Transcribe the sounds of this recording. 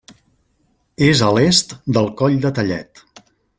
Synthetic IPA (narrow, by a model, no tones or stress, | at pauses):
ezəlest̪d̪əlˠkɔʎd̪ət̪əʎɛ̰t̪